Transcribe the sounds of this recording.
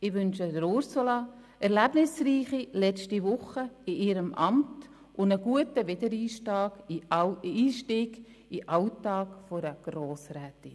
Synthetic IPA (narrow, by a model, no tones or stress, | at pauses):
ɪʋʏnʃədəɾʊɾsolɑ | ɛɾlæbnɪsriːχilɛt͡stiʋʊχəɪʔɪːɾəmʔɑmt | ʔʊndəɡuətəʋɪdəɾiːʃtɑːɡ | iːʃtiːɡ | ɪʔɑwtɑːkfɔɾəɡ̥ɾoːsɾɛːti